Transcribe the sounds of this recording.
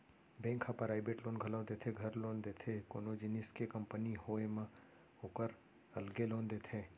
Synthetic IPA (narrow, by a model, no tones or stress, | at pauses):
bẽːŋkʰapəɾaːɪbeːʈlõːnɡʱəlaːd̪et̪ʰeɡʱɐɾlõːnd̪eːt̪ʰekoːnod͡ʒɪnɪskekəmpəniɦoemã | oːkəɾ | əlɡelõːnd̪eːt̪ʰe